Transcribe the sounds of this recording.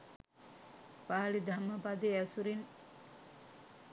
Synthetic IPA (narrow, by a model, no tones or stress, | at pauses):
paːlid̪ʱamːəpad̪eæsuɾin